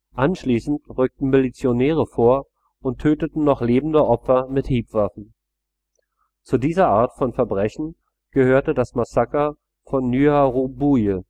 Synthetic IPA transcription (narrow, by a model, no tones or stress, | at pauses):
ʔanʃliːsn̩tʁʏk̚tn̩milit͡sjonɛːʁəfoːɐ | ʊntʰːøːtətn̩nɔχleːbm̩dəʔɔpfɐmɪthiːpv̥afn̩ | t͡sudiːzɐʔaːɐtfɔnfɛɐbʁɛçn̩ | ɡ̥əhøːɐtədasmasakɐ | fɔnːyaʁobujə